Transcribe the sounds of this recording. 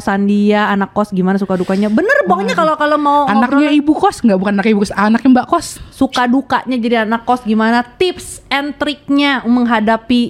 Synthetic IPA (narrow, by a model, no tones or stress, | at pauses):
sandiaːnakːɔsɡimanasukadukaɲabənərbɔkɲakalokalomaoanakiaibukɔsŋɡaʔbukananakaibukɔsanakjaŋbaʔkɔssukaduka̰ʔɲad͡ʒadianakːɔsɡimanat̪ɪpsɛnt̪ɾɪk̚ɲaməŋɦadapi